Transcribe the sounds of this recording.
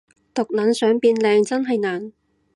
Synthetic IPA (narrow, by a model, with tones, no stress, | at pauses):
t̪ʊ˨k̚lɐ˨˥nsœː˨˥ŋpiː˧nlɛː˧ŋt͡sɐ˥nɦɐ˨jnaː˨˩n